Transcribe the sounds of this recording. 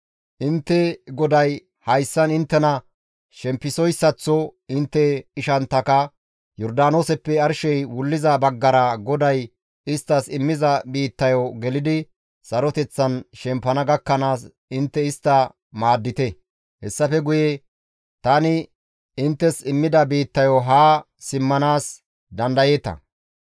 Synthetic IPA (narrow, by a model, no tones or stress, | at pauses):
ʔɪnt̪ːɛɡɔd̪ɐj | hɐjsːɐnɪnt̪ːɛnɐ | ʃɛmpːɪsɔjsːɐt͡sːɔɪnt̪ːɛɪʃɐnt̪ːɐkɐ | jɔɾd̪aːnoːsɛpːɛɐɾʃɛjwʊlːɪzɐbɐɡːɐɾɐɡɔd̪ɐj | ɪst̪ːɐsɪmːɪzɐbiːt̪ːɐjɔɡɛlɪd̪ɪ | sɐɾɔt̪ɛt͡sːɐnʃɛmpːɐnɐɡɐkːɐnaːs | ɪnt̪ːɛɪst̪ːɐ | maːd̪ːɪt̪ɛ | hɛsːɐfɛɡʊjɛ | t̪ɐnɪ | ɪnt̪ːɛsɪmːɪd̪ɐbiːt̪ːɐjɔɦaː | ɪmːɐnaːs | d̪ɐnd̪ɐje̞ːt̪ɐ̰